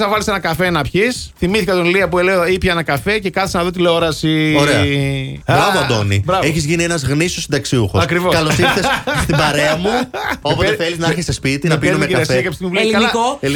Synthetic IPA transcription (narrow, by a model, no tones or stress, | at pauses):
sɐvɐlisenɐkɐfenɐpçisθimiθikɐt̪onliɐpueleoipçɐenɐkɐfe̞ce̞kɐθisnɐðo̞t̪̬ileooɾɐsioɾeɐ | bɾɐvoɐd̪o̞̰nḭbɾɐveçizʝinienɐzɣnisosid̪ɐksiuxosɐkɾivokɐslossiθesst̪ibɐɾeɐmuopoeθeliznɐɐɾçisespit̪inɐpiumekɐɾɐsiɐkɐpist̪imuvllikɐlɐoeli